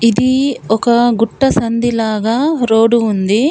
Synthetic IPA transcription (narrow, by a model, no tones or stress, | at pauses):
id̪iɔkɐɡuʈːɐsɐnd̪ilaːɡɐɾoːɖuund̪i